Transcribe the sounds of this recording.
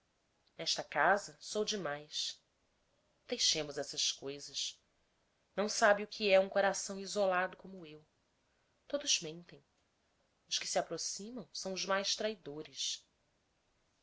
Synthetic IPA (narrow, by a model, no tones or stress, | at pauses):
nɛʃt̪ɐkazɐsowd͡ʒɪmajs | d̪̥ejʃẽmʊzɛsɐskojzɐʃ | nɐ̃w̃sabɪʊkʰiɛũŋkoɾasɐ̃w̃izolad̪ʊkõmʊew | t̪od̪ʊzmẽnt̪ẽj̃ | ʊʃkɪ̥siapɾosĩmɐ̃w̃sɐ̃w̃ʊzmajʃt̪ɾaid̪oɾɪs